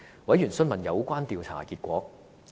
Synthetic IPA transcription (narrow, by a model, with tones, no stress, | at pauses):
wɐ˨˥jyː˨˩nsɵ˥nmɐ˨˩njɐ˨˧wkʷaː˥nt̪iː˨˧wt͡sʰa̰ː˨˩kiː˧t̚kʷɔː˨˥k̚